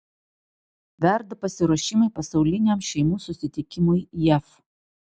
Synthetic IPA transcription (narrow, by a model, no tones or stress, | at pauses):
ʋʲɛɾd̪ɐpɐsʲɪɾɔʃʲɪmɐɪpɐsɒʊlʲɪnʲɛmʃʲɛɪmuːsʊsʲɪt̪ʲɪkʲɪmʊjjɛf